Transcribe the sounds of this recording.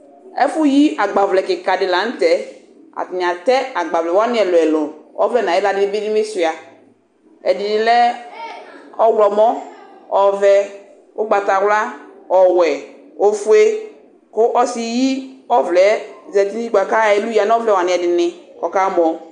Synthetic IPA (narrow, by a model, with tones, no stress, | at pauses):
ɛ̰˦fu˦ji˦a˨ɡ͡ba˨vlɛ˨kɪ˨ka˨dɪ˨la˨˦n̩˦tɛ˨˦ | a̰˨ti˨ni˨a˨tɛ˦a˨ɡ͡ba˨vlɛ˨wa˦nɪ˦ɛ˨lo˨ɛ˨lo˨nɔ̰˦vlɛ˦˨na˨ɛ˦la˨dɪ˨˦nɪ˦be˦di˦me˦su˨a˨ | ɛ˨dɪ˨nɪ˨lɛ˦ | ɔ˦wlɔ˨mɔ˦ | ɔ˨vɛ˦ | ʊ˦ɡ͡ba˨ta˨wla˦ | ɔ˨wɛ˨ | o˦fu˦e˦ | kʊ˦ʔɔ˦si˦ji˦ɔ˦vlɛ˨˦zɛ˨ti˦ni˦i˦ɡ͡ba˨ka˦ɛ˨˦lu˦ja˨n˦ɔ˦vlɛ˦˨wa˨nɪ˨ɛ˨dɪ˨nɪ˨kɔ˨ka˦mɔ˨